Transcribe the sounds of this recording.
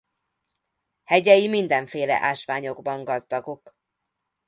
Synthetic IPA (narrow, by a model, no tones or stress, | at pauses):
hɛɟɛjimind̪ɛɱfeːlɛ̰ʔaːʃʋaːɲo̞ɡbɒŋɡɒzd̪ɒɡo̞k